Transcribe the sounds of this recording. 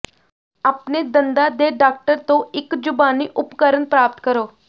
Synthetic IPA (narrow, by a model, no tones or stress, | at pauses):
apned̪ənd̪ad̪eɖak̚ʈəɾt̪oikd͡ʑubaniːʔupkəɾənpɾap̚t̪kəɾo